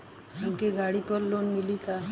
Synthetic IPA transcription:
ɦumkeɡaːɽipəɾloːnmɪlika

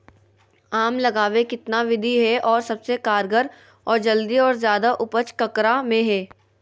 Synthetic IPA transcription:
aːmlɐɡaːʋekɪt̪naʋɪd̪ʱiɦɛʔɔːɾsɐbsekaːɾɡəɾ | ɔːɾd͡ʒɐld̪iɔːɾzjaːd̪aʔʊpət͡ʃkɐkɾamẽɦɛː

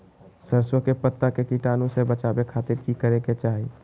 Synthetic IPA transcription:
səɾswəkepət̪ːakekiʈaːnõsebət͡ʃabekʰaːt̪iɾkikəɾeket͡ʃaːɦi

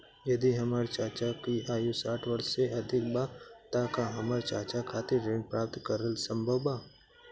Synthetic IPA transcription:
jɐd̪iɦɐmaɾt͡ʃaːt͡ʃakiaːjusaːʈʰʋəɾʃseʔɐd̪ʱɪk̚bat̪akaɦɐməɾt͡ʃaːt͡ʃakʰaːt̪eɾẽːɳ̚pɾaːp̚t̪kɐɾəlsə̃mbʱəwbaː

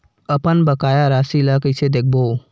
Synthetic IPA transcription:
əpənbəkajaɾasiləkəjsed̪ek̚ʰbo

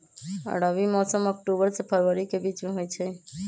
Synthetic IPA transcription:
ə̰ɽaʋimɔsəmɔk̚ʈubəɾsepʰəɾʋəɾikebit͡ʃmẽɦojt͡ʃʰe

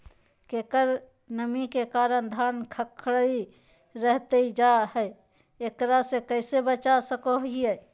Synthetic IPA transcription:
keːkəɾ | nəmikekaːɾənd̪ʱaːnkʰəkʰɽəi | ɾəɦt̪eid͡ʒaɦəj | ekɾasekəɪsebət͡ʃasəkoie

